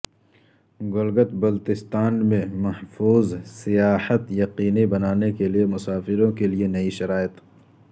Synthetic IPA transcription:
ɡʊlɡət̪bɐlt̪ɪst̪aːnmẽmɐhfuːzsijaːhət̪jɐqiːnibɐnaːnekeliemʊsaːfɪɾõkelienɐiʃɐɾaːjət̪

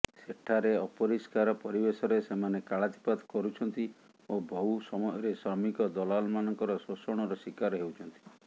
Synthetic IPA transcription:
seʈʰaɾeɔpɔɾiskaɾɔpɔɾibesɔɾesemanekaɭat̪i̥pad̪kɔɾut͡ʃʰɔnt̪i | obɔɦusɔmɔjɔɾesamikɔd̪ɔlalmanɔŋkɔɾɔsosɔɽ̃ɔɾɔsikaɾɔɦewt͡ʃʰɔnt̪i̥

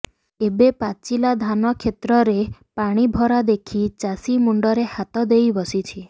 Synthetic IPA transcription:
ebepat͡ʃilad̪ʱanɔkʰet̪ɾɔɾepaɽ̃ibʱɔɾad̪ekʰit͡ʃasimuɳɖɔɾehat̪ɔd̪ejbɔsit͡ʃʰi

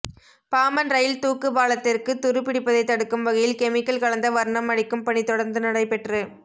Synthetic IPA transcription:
paːmɐnɾɐjɪlt̪uːkːɯbaːlɐt̪ːɪrkɯt̪ʊɾɯpɪɽɪpːɐðɐɪt̪ːɐɽɯkːɯmʋɐɣɐjɪlkɛmɪkːɐlkɐɭɐnd̪ɐʋɐɾɳɐmɐɽɪkːɯmpɐɳit̪ɔɽɐɾnd̪ɯnɐɽɐɪpɛʈrɯ

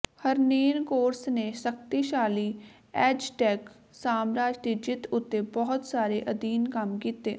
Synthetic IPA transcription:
həɾneːnkoːɾsneːsək̚t̪iːʃaːliː | ɛːd͡ʒʈɛːk | saːmɾaːd͡ʒd̪eːd͡ʒɪt̪ʰʊt̪ːeːbɔɦʊt̪saːɾeːʔəd̪iːnkəmkiːt̪eː

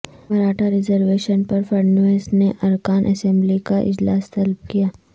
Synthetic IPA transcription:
mɐɾaːʈaɾɪzəɾʋeːʃənpɐɾfɐɾnoeːsneʔɐɾkaːnʔɐ̰sɛ̃mblikaʔɪ̰d͡ʒlaːst̪ɐlb̚kijaː

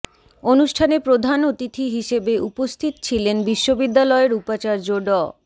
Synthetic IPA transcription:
onuʃʈʰanepɾod̪ʱanot̪it̪ʰiɦiʃebeʔupost̪ʰit̪o̥t͡ɕʰilenbiʃːobid̪ːalɔeɾupat͡ɕaɾd͡ʑoɖɔ

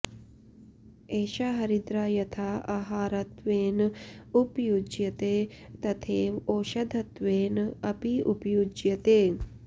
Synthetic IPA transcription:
eːʃaɦɐɾid̪ɾaːjɐt̪ʰaːʔɐɦaːɾɐt̪ʋeːnupjud͡ʒjɐt̪eːt̪ɐt̪ʰeːʋoːʃɐd̪ʱɐt̪ʋeːnɐpiupjud͡ʒjɐt̪eː

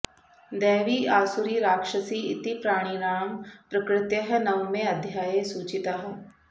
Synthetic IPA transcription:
d̪ɛːʋiːaːsuɾiɾaːkʃəsiːɪt̪ipɾaːɽ̃iːɾaːmpɾɐkɾɪt̪jəɦnɐwmẽɐd̪ʱjaːjesuːt͡ʃɪt̪aɦ

